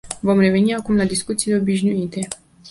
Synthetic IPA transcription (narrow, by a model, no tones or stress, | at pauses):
vo̞mre̞ve̞niakumlad̪iskut̪sileo̞biʃnuit̪e̞